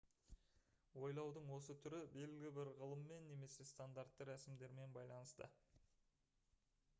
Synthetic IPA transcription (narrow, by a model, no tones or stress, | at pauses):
wo̞jlˠɑwd̪əɴwo̞s̬ət̪ʰʏɾɪbe̞lɪɡʲɪbɪɾʁəlˠəmːe̞nːe̞me̞se̞st̪and̪art̪ːəɾæsɪmd̪e̞ɾme̞nbɑjlˠɑnəst̪ə̰